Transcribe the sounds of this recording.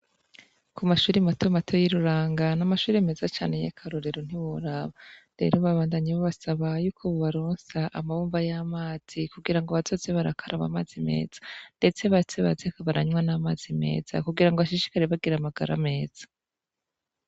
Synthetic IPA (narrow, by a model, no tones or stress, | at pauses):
kumaʃuːɾimatomatʰo̞jiɾuɾaːŋɡanamaʃuːɾeme̞ːzat͡ʃaːnejḛkʰaɾoɾeɾon̥iwoɾaβaɾe̞̰ɾoβaβaːndaɲiβoβasaβajuːkʰoβoβaɾoːnsaʔamaβuːmbajamaːz̥ikuɡiɾaŋɡoβazozeβaɾakʰaɾʔaβa̰maːz̥ime̞̰ːz̥ḁnde̞t͡se̞βat͡seβa̰zekaβaɾaɲwanamaːz̥ime̞̰ːz̥a̰kuɡiɾaŋɡoβaʃiʃi̥kaɾeβaɡiɾamaɡaɾa̰me̞ːz̥ḁ